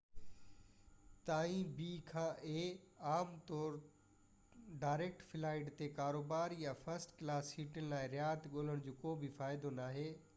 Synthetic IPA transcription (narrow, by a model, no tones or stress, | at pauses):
t̪aːĩbiːkʰãːʔeːaːmt̪ɔːɾ | ɖaːɪɾeːk̚ʈfɪlaːɪɖt̪ekaːɾoːbaːɾjafɐɾsʈklaːshiːʈənlaːɪɾɪjaːt̪ɠoːləɽ̃d͡ʑoːkoːbʱifaːɪd̪onaːɦeː